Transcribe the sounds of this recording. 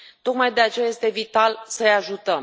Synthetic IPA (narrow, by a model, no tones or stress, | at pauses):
t̪o̞kmajd̪e̞at͡ʃe̞jajest̪e̞vit̪alsəeaʒut̪əm